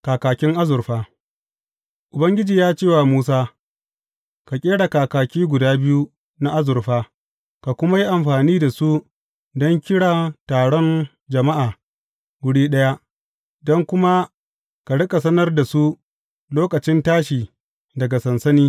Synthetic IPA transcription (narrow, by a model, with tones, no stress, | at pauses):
kaː˨kaː˨kʲɪ˦ŋʔa˦zʊ˨rɸaː˦ | ʔʊ˨bɐ˦ŋɡʲɪ˦d͡ʒiː˨jaː˦t͡ʃeː˦˨waː˨muː˦s̬aː˦ | ka˨kʲʼeː˦ɽa˨kaː˨kaː˨kʲiː˦ɡʷʊ˨daː˦bɪ˦ju˦ | na˦ʔa˦zʊ˨rɸaː˦ | ka˨kʷʊ˦ma˦ji˦ʔa˨mɸaː˨niː˦da˨su˦ | dɔ˦ŋkʲɪ˦ɽaː˨taː˨ɽɔ˦n | d͡ʒɐ˨ma˦ʔaː˨ | ɡʷʊ˨ɽiː˦ɗɐ˦ja˦ʔ | dɔ˦ŋkʷʊ˦ma˦ | ka˨ɽɪ˦kʼa˨sɐ˦nɐ˦rda˨su˦ | loː˦kɐ˨t͡ʃɪ˦ntaː˦ʃiː˨ | dɐ˨ɡa˨sɐ˨nsɐ˦niː˦